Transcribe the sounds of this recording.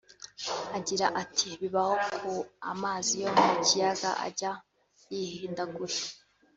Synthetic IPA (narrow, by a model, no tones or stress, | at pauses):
aɟiɾaʔatʰiβiβahokʰua̰maːzijomuicijaɡa̰ʔa̰ɟa | jihiːndaɡuɾe